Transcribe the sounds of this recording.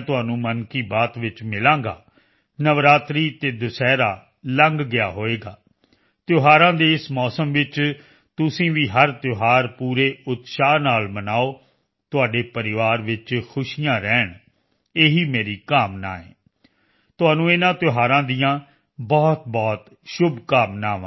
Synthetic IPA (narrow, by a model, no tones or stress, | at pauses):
t̪ʊaːnũːmənkiːbaːt̪ʋɪt͡ʃmɪlãːɡa̰ː | nəʋɾaːt̪ɾiːt̪eːd̪ʊsɛːɾa̰ː | ləŋɡɡɪja̰ːɦoːeːɡaː | t̪joːɦaːɾãːd̪eːɪsmɔːsəmʋɪt͡ʃ | t̪ʊsĩːʋiːɦəɾt̪joɦaːɾpuːɾeːʊt̪ʃaːnaːlmənaːoː | t̪ʊaːɖeːpəɾɪʋaːɾʋɪt͡ʃkʰʊʃijãːɾɛːɳ | eːɦiːmeːɾiːkaːmna̰ːḛ̃ː | t̪ʊaːnũːɪnãːt̪joːɦaːɾãːd̪ijãː | bɔːt̪̚bɔːt̪ | ʃʊbʱkaːmnaːʋã̰ː